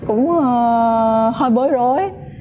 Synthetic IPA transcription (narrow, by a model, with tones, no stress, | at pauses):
kʊ̰˧˥ŋ͡mə˨ | həː˧jɓəː˨˦jzo˧˨˦j